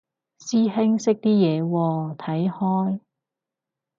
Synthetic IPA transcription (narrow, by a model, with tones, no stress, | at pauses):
siː˥hɪ˥ŋsɪ˥k̚t̪iː˥jɛː˨˧wɔː˧t̪ʰɐ˨˥jhɔː˥j